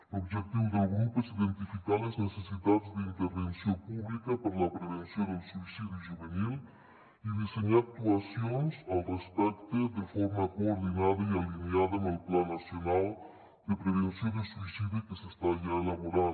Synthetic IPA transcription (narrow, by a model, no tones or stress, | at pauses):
oβʒek̚t̪iβoðelɣɾupesiðent̪ifikaɾleznesesiðat̪zðeint̪eɾβensjompuβlikapaɾalapɾeβensjond̪elsuisiðjuʒuβenil | iðiseɲak̚t̪uasjonsalrespɛkt̪eðefoɾmakoːɾðinaðaialinjaðanelplanːasjonal | d̪epɾeβensjond̪esuisiðjukesest̪aʒaelaβoɾa